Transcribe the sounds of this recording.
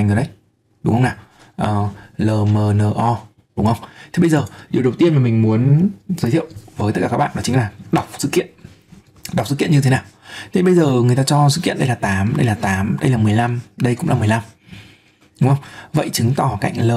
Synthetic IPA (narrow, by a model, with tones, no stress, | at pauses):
jŋɨ˨˩ɗə˧˦j | ɗʊ˨˦ŋ͡mhə˧wnaː˨˩ | ʔəː˨˩ləː˨˩məː˨˩nəː˨˩ʔɔ˧ | ɗʊ˨˦ŋ͡mhə˧wŋ͡mt̪ʰi˨˩ɓə˧jzəː˨˩ɗi˨˩əɗə˨˩wt̪i˧ənmaː˨˩mi˨˩ŋ̟mu˨˦ənzəː˨˦t̪ʰḭ˧˨wvəː˨˦jt̪ə˦˥kaː˨˩kːa˦˥kɓa̰ː˧˨ɔ˨˦t͡ɕï˨˦ŋ̟laː˨˩ɗa˨˩wk͡p̚sɨ̰˧˥kḭ˧˨ən | ɗa˨˩k͡p̚sɨ̰˧˥ki˧˨ə˨ɲɨ˧e˨˦naː˨˩wt̪ɓə˧jzəː˨˩ŋɨ˨˩əjt̪aː˧t͡ɕɔ˧s̬ɨ̰˧˥kḭ˧˨ənɗə˧jlaː˨˩t̪aː˨˦mɗə˧jlaː˨˩t̪aː˨˦mɗə˧jlaː˨˩mɨ˨˩əjla˧mɗə˧jkʊ̰˧˥ŋ͡mlaː˨mɨ˨˩əjla˧m | ɗʊ˨˦ŋ͡mhə˧wŋ͡mvə̰˧˨jt͡ɕɨ˨˦ŋt̪ɔ˧˩ka̰˧˨jŋ̟ləː˨˩